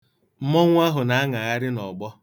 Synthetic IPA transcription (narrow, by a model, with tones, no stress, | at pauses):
m̩˦mɔ˦ŋʷ˦a˦ɦʊ˨na˨a˦ŋa˨ɣa˦ɾɪ˦nɔ˨ɡ͡bɔ˦